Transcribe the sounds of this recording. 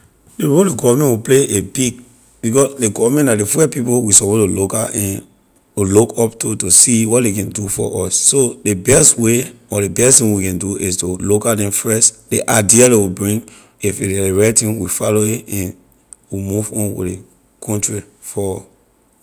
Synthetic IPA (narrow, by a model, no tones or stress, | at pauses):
deɹoldeɡɔvamɛ̃nwipleʔebiɡ̚ | b̥ikɔsdeɡɔvamɛ̃ntadefɛpipowisɔpotolokaʔɛ̃n | ilokɔptutusiwɔt̚dekɛ̃ndufɔ̰ʔɔsːodebɛstweɔɾebɛstĩnwikɛ̃nduistolokadɛ̃mfɛst | deʔaɪdialewibɹĩŋ | ifeeɹɛtĩnwifaloeɛ̃n | wimuvɔ̃nwḭde | kʰɔ̃ntɹi | fɔ